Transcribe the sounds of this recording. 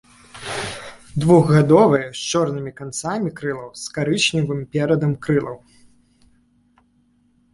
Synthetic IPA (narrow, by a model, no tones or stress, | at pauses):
d̪vuɣɣad̪ɔvɐjɛst͡ʂɔrnɨmʲikant̪samʲikɾɨlˠɐwskaɾɨt͡ʂnʲivɨmpʲɛɾɐd̪ɐmkɾɨlˠɐ̰w